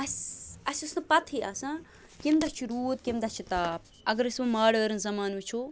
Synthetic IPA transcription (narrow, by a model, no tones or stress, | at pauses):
ɐsɐsʲɐsnɐpɐt̪ʰia̰ːsã | kimd̪ɐt͡ʃʰiɾuːt̪kimd̪ɐt͡ʃʰit̪aːp̚ | ɐɡɐɾɐsmumaːɽəːɾɨnzɐmaːnut͡ʃʰu